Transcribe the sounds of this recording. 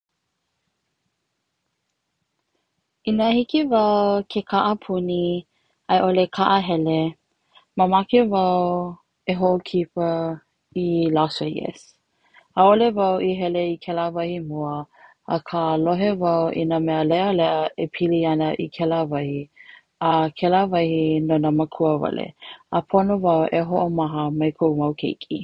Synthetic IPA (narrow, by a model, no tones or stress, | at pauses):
inəhikivɐwkʰekʰaʔəpʰuni | ɐjʔolekʰaʔəɦɛle | məmakevɐw | eɦoʔokʰipə | ilaseɡɛ̰s | aolevawʔiɦɛleikʰɛlavɐhimuəː | kʰaloɦevɐwʔḭnəmɛəlɛʔəlɛʔəepʰiliɐnəʔikʰɛlavɐhi | əkʰɛlavɐhinonəməkʰuəvɐ̰lḛəpʰonovɐwʔeɦoʔomaɦəmɐjkʰowmɐwkʰḛjkʰḭ